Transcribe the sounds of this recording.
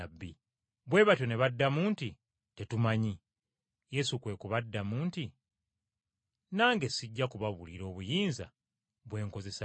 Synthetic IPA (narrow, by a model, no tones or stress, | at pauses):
abːi | βwe̞βatjo̞ne̞βadːamuːnti | te̞tumaɲi | je̞sukwe̞ːkuβadːamuːnti | naːŋɡe̞siɟːakuβaβuliɾo̞ːβujiːnza̰ | βwe̞ːŋko̞ze̞s